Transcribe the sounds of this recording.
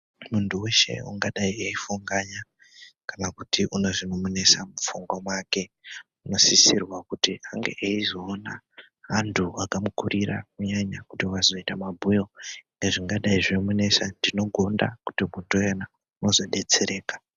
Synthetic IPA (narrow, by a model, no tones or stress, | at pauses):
muntuwe̞ʃe̞̰ṵŋɡaɗaieifuŋɡaɲa | kanakutʰiʔuno̞ʐino̞mune̞samufuŋɡwamwake̞ | uno̞sisirwakutiʔaŋɡḛʔeizoːna | ʋantʰuakamukuɾiɾa̰kuɲaɲakutiwazo̞itamabʱujo̞ŋɡeʐiŋɡaɗaiʐemune̞sandino̞ɡʱo̞ndakutimuntujena | uno̞zo̞ɗe̞t͡se̞ɾe̞ːkḁ